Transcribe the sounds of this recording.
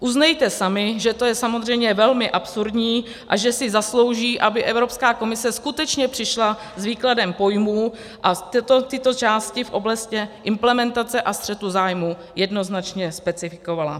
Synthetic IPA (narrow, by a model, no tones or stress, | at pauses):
ʔuznɛjt̪ɛsamɪʒɛt̪o̞jɛsamo̞zr̝ɛjmɲɛvɛlmɪʔapsuɾdɲiː | ʔaʒɛsɪzaslo̞wʒiːʔabɪʔɛvɾo̞pskaːko̞mɪsɛskut̪ɛt͡ʃɲɛpr̥ɪʃla | zviːkladɛmpo̞jmuː | ʔat̪ɛt̪ot̪ɪt̪o̞t͡ʃaːscɪfʔo̞blascɛʔɪmplɛmɛnt̪at͡sɛʔast̪r̥ɛt̪uzaːjmu | jɛdno̞znat͡ʃɲɛspɛt͡sɪfɪko̞vala